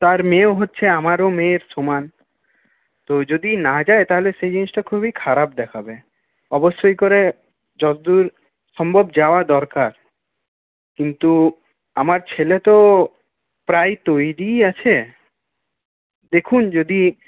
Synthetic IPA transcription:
t̪aɾmeoɦotːɕʰeamaɾomeɾsoman | t̪od͡ʑod̪inad͡ʑaet̪aɦoleʃejd͡ʑenisʈakʰubikʰaɾap̚d̪ɛkʰabe | ɔbosːojkoɾe | d͡ʑɔd͡ʑd̪uɾ | ʃɔmbʱobd͡ʑaoad̪ɔɾkaɾ | kint̪u | amaɾt͡ɕʰelet̪o | pɾajt̪ojɾiat͡ɕʰe | d̪ekʰund͡ʑod̪i

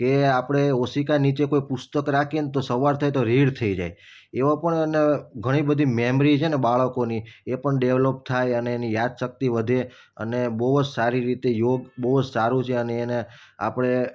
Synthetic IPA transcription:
keapɽ̃eosikanit͡ʃekoipʊst̪əkɾakʰent̪osəʋaɾt̪ʰajt̪oɾiɽt̪ʰəid͡ʒa̰j | eʋapəɳəneɡʱəɽ̃ibəd̪ʱimemɾit͡ʃʰenebaɭəkoniepəɳɖeʋlop̚t̪ʰajəneːnijad̪ʃək̚t̪iʋəd̪ʱe | ə̰nebəɦd͡ʒsaɾiɾit̪ejoɡbəɦd͡ʒsaɾũt͡ʃʰeəneːnea̰pɽ̃e

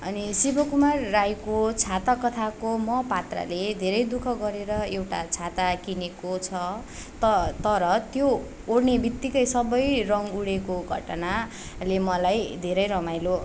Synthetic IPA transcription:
ʌnisibʱʌkumarːajkot͡sʰat̪akʌt̪ʰakomʌpat̪ra̰led̪ʱeɾʌjd̪ukʰʌɡʌɾeɾʌewʈa̰t͡sʰat̪akinekot͡sʰʌt̪ʌt̪ʌɾʌt̪joː | ɽnebit̪ːikʌjsʌbʌjrʌŋuɽekoɡʱʌ̰ʈʌna | lemʌlajd̪ʱeɾʌjɾʌmajlo

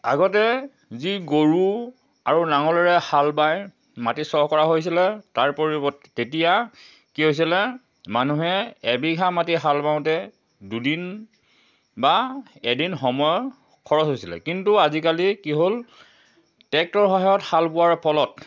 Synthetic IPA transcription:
a̰ɡɔtɛ | ziɡoɹu | aɹunaŋɔlɔɹɛhalbaj | matisɔɔkɔɹaɦojs̬ilɛtaɹpoɹibɔtː | etija | kiɦojs̬ilɛ | manuɦɛːbiɡʱamatiɦalbaw̃tɛ | dudin | baɛdinxɔmɔjɔ | kʰɔɹɔsɦojsilɛ̰kintuazikalikiɦol | tɛk̚tɔɹɦɔɦajɔthalpʊwaɹpʰɔlɔt

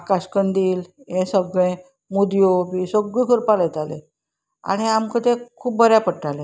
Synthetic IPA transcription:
kaskənd̪iːlẽsəbɡẽ | mud̪jobisoɡikʰəɾpaləjt̪alḛ | a̰ɽ̃iamkət̪ẽkʰuːp̚bəɾjapəʈːalẽ

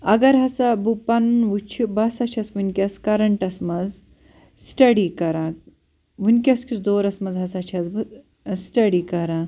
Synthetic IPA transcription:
ɐɡɐɾɦɐsɐbupɐnʋut͡ʃʰibɐsɐt͡ʃʰɐsʋunʲkʲɐskɐɾɐɳʈɐsmɐz | sʈɐɖikɐɾãː | ʋunʲkʲɐskʰʲisd̪oːɾɐsmɐzɦɐsɐt͡ʃʰɐz | sʈɐɖikɐɾãː

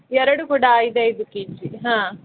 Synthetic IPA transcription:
ɛɾɐɽukuːɽaaːjid̪eid̪ukiːt͡ʃiɦãː

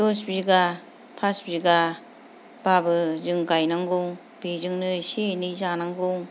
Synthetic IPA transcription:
dosbiɡa | pʰasbiɡa | b̥abɯzɯŋɡajnaŋɡoŋ | b̥ezɯŋnɯsenizanaŋɡuŋ

